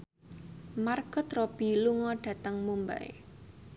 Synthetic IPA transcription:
marɡ̥ɔt̪rob̥i̤luŋɔɖ̥ä̤t̪əŋmumba̰ḛ

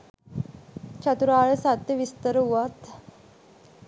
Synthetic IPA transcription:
t͡ʃʰat̪uɾaːɭesat̪ʋist̪əɾɦuat̪

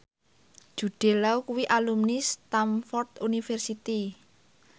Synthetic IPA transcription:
ʒ̥ṳɖ̥e̤laukuwiʔalumnist̪amfɔrt̪unifɛrsit̪i

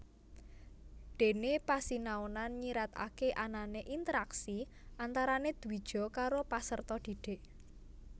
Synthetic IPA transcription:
d̪̥e̤nepasinaonanɲiɾat̪a̰keʔananeʔint̪əɾaksi | ʔant̪aɾaned̪̥ṳi̥ʒ̥ɔ̤kaɾopasərt̪ɔd̪̥i̤ɖ̥e̤ʔ

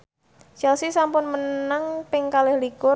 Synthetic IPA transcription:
t͡ʃɛlsisampʊnmənnaŋpɪŋkalɛhlikʊ

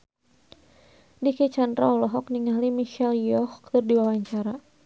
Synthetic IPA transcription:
dikit͡ʃand̪ɾa̰ɔlɔɦɔk̚niŋalimiʃɛljɔhkt̪ərdiwawaɲt͡ʃaɾa

